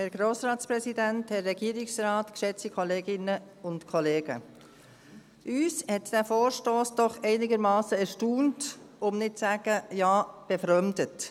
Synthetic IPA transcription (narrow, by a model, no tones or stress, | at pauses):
hɛɾɡ̥ɾoːsɾɑːtspɾɛsidænthɛrːɛɡ̥iːɾɪksɾɑːtkʃɛt͡sikʰɔleːɡɪnə | ʊntkʰɔleːɡə̰ | ʔyːshɛtd̥æːfoːɾʃtoːsd̥ɔχɛɪnɪɡəɾmɑːsəɛɾʃtuːntʊmnɪt̚t͡sæːɡ̥əjaːb̥ɛfɾœmdət